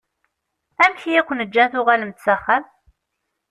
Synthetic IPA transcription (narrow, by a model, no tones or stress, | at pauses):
æmçijækʷːnəd͡ʒːænθʊʁalmət̪t͡sːæχːæm